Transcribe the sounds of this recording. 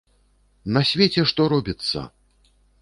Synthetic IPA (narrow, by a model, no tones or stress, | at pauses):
nɐsʲvʲet͡sʲɛʂt̪ɔɾɔbʲit̪sːɐ̰